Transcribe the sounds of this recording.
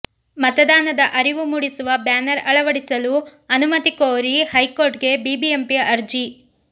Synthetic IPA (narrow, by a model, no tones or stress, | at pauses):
mɐt̪ɐd̪aːnɐd̪ɐʔɐɾiʋumuːɽisuʋɐbjaːnɐɾɐɭɐʋɐɽisɐluɐnumɐt̪ikoːɾihɐjkoːɾʈɡe̞biːbiempiɐɐɾd͡ʒi